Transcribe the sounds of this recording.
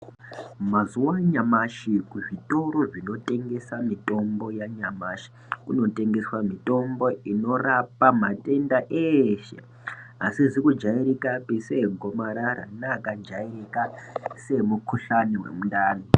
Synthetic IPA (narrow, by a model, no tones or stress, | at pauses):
mazuwaɲamaʃikuʐito̞ɾo̞ʐino̞te̞ŋɡe̞samito̞mbo̞jaɲamaʃi̥ | kuno̞te̞ŋɡe̞swamito̞mbo̞ino̞rapamatʼe̞ndaʔeʃe̞̰ | asizikud͡ʒaiɾikapiseɡʱomaɾaɾa̰nakad͡ʒairikase̞mukʰuɬaniwḛmundaːno